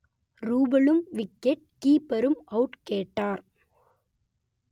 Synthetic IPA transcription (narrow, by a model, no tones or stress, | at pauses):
ɾuːbɐɭɯmʋɪkːɛʈ̚kiːpɐɾɯmɐʊʈkeːʈːaːɾ